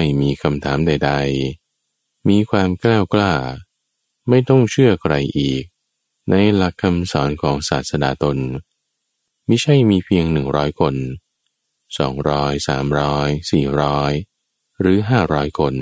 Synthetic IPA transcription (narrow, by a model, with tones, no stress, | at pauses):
a˥˩jmiː˧kʰa˧mt̪ʰaː˩˦mda˧˩jda˧j | miː˧kʰwaː˧mklɛː˥˩wklaː˥˩ | ma˥˩jt̪ɔ˥˩ŋt͡ɕʰɯ˥˩ɐkʰɾa˧jʔiː˨˩k̚ | na˧jla˦˥kʰːa˧msɔː˩˦nkʰɔː˩˦ŋsaː˨˩t̪̚sa˧na̰ː˨˩t̪o˧n | ma˥˩t͡ɕʰa˥˩jmiː˧pʰi˧əŋnɯ˨˩ŋɾɔː˦˥jkʰo˧n | sɔː˩˦ŋɾɔː˦˥jsa̰ː˩˦mɾɔː˦˥jsiː˨˩ɾɔː˦˥j | ɾɯː˩˦ɦaː˥˩ɾɔː˦˥jkʰo˧n